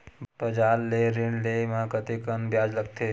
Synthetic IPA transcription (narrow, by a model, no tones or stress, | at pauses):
pəd͡ʒaːlːeɾɪɳlemãkət̪ikənbjaːd͡ʒləɡ̚t̪ʰe